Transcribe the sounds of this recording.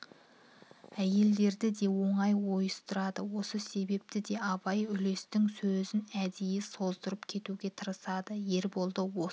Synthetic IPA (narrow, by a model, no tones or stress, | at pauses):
æje̞ld̪e̞ɾd̪ɪd̪e̞wo̞ɴɑjwo̞jəst̪əɾɑd̪əwo̞səse̞be̞p̚t̪ɪd̪e̞ɑbɑjʏle̞st̪ɪŋsɵzɪnæd̪ejeso̞zd̪əɾəpkʲʰe̞t̪uɡʲe̞t̪ʰəɾəsɑd̪əje̞ɾbo̞lˠd̪əwo